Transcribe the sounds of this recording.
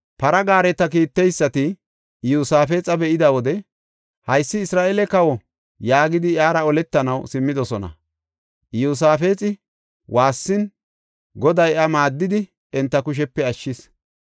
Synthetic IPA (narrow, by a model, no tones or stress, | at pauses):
pɐɾɐɡaːɾɛt̪ːɐk̬iːt̪ːɛjsːɐt̪ɪ | juːsaːfe̞ːt͡sʼɐbɛʔɪd̪ɐwɔd̪ɛ | hɐjsːɪːsɾaːʔɛlɛkɐwɔ | jaːɡɪd̪ɪʔjaːɾɐɔlɛt̪ːɐnɐwsɪmːɪd̪ɔsɔnɐ̰ | ʔjuːs̬aːfe̞ːt͡sʼɪ | wʔaːsːɪn | ɡɔd̪ɐjɐmaːd̪ːɪd̪ɪ | ɛnt̪ːɐkʊʃ̬ɛpːɛɐʃːɪs